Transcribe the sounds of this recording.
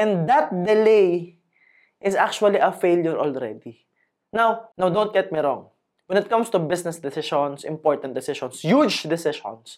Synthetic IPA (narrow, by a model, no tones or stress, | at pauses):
ʔɛ̃nd̪ɐt̪̚d̪ɛlej | ʔɪsak̚t͡ʃʊɐliʔɐfejljɔɹʔɔlɹɛ̰d̪i | nawnawd̪õnt̪̚ɡ̥ɛt̪̚miɾɔ̰̃ŋ | wɛ̃nɪt̪̚kʌ̃mst̪ʊbɪsnɛsd̪ɪsɪʃɔ̃nsɪ̰̃mpɔɹt̪ɐ̃nt̪̚d̪ɪsɪʃɔ̃nsjud͡ʒd̪ɪsɪʃɔ̰̃ns